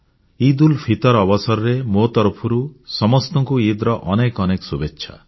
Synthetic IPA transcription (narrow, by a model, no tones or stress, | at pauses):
id̪ulpʰit̪ɔɾɔbɔsɔɾɔɾemot̪ɔɾpʰɔɾusɔmɔst̪ɔŋkuid̪ɾɔʔɔnekɔnekɔ̥subetːʃʰa̰